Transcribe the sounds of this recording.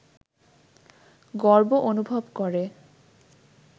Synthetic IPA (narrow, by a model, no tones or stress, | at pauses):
ɡɔɹboʔonubʱobkoɾe